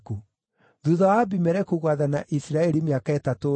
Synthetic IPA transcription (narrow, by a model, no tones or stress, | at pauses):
ku | ðuðawabimɛɾɛkuɣwaðanaʔisiɾaɛɾimeakaɛtato